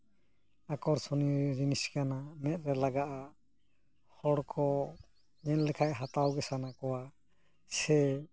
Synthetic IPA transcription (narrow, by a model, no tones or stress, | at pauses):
akɔɾsɔnid͡ʒiniskanamɛt̪̚ɾɛlaɡaʔa | hɔɽkʰɔ | ɲɛnlɛkʰaʔɦat̪awɡɛsanakɔwa | sɛ